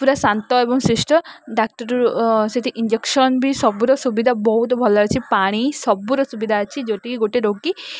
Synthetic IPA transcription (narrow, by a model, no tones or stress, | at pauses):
puɾasant̪ɔebɔŋsɾisʈɔɖak̚ʈɔɾuɾset̪ʰiʔiɲd͡ʒekʃɔnbʱisɔbuɾɔsubid̪ʱabɔɦut̪̬ɔbʱɔlaɾt͡ʃʰipaɽ̃isɔbuɾɔsubid̪ʱaːt͡ʃʰid͡ʒɔʈikiɡoʈeɾoɡi